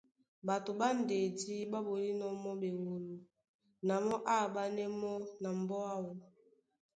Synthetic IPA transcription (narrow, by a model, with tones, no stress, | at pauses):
ba˨to˨ba˦n̩˨de˨di˦ba˦bo˨li˦nɔ˦mɔ˦be˨wo˨lu˨ | na˨mɔ˦ʔa˦˨ba˦nɛ˦mɔ˦na˨m̩˨bɔ˦a˦wɔ˨